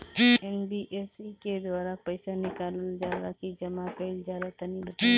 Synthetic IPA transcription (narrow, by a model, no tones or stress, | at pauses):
ɛnbiʔeːsiked̪waːɾapɛɪsanɪkaːlld͡ʒaːɾakid͡ʒɐmakɐɪld͡ʒjaːd̪at̪anĩbɐt̪a